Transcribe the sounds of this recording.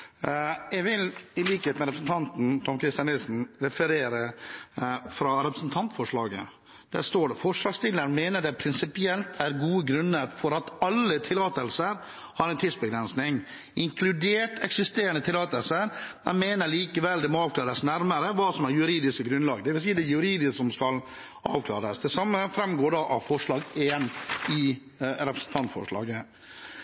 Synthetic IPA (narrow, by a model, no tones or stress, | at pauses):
ɛɡʋɪlɪliːkheːt̪mɛɾɛpɾsn̩t̪ʰɑnt̪n̩t̪ʰɔmkʰɾɪst̪ɪjɑnɪlsn̩ɾɛfəɾeːɾə | fɾɑɾɛpɾəsn̩t̪ʰɑnt̪fɔʂɭɑːɡə | d̪̥æ̰st̪oːɖɛfɔʂlɑːɡst̪ʰɪlːəɳmeːnəɖɛpʰɾɪnsɪpɪɛlt̪ʰæɾɡuːəɡɾʉnːəɾfɔɾɑt̪ɑlːət̪ʰɪlːɑːt̪əlsəɾ | hɑːɾɛnt̪ʰiːsbəɡɾɛnsnɪŋ | ʔɪŋkʰlʉd̪eːʈʰɛksɪst̪eːɾənət̪ʰɪlːɑːt̪əlsəɾmɛnmeːnəɾɭiːkəʋɛld̪ɛmɔɑːʋklɑːɾəsnæɾməɾəʋɑːsɔmæɾjʉɾiːd̪ɪskəɡɾʉnlɑːɡd̪ɛʋɪlsiːd̪ɛjʉɾiːd̪ɪssɔmskɑl | ɑ̰ːʋkʰlɑ̰ːɾəsd̪ɛsɑmːəfɾɛmɡoːɖɑʔɑʋfɔʂɭɑːɡeːnɪ | ɾɛpɾəsn̩t̪ʰɑnt̪fɔ̰ʂlɑ̰ːɡə